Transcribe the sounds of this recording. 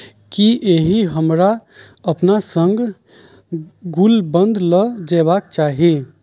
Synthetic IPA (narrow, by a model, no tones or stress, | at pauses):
kiʔeɦiɦəmɾa | əpnasə̃ŋɡ | ɡulbə̃nd̪ʱləd͡ʒɛβak̚t͡ʃaɦi